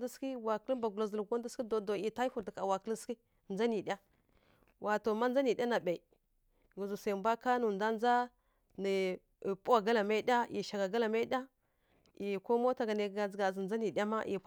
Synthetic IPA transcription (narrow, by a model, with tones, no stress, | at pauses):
di˦ski˦wa˨kə˦li˦mba˨ɡu˨la˨zə˨lɡo˦n˦di˦ski˦do˨do˨i˨ta˦i˦fu˨ti˨ka˨wa˨kə˦li˦si˦˨ | n˨a˦ni˨ɗʲa˦ | wʔa˨to˨ma˦n˦d͡za˦ni˨ɗʲa˦na˨ba˨i˨ | ɡu˨zu˨sa˨mbʷa˦ka˦nu˨nda˦n˦za˦ | ni˨ | pu˦wa˨ɡa˦la˨ma˦i˦ɗʲa˦jḭ˨ʃa˨ɡa˨ɡa˦la˨ma˦i˦ɗʲa˦ | i˨ko˦mo˦ta˨ɡa˨ne˨ɡa˨zɡa˨zi˨n˨a˦ni˨dʲa˦ma˦ʔḭ˨˦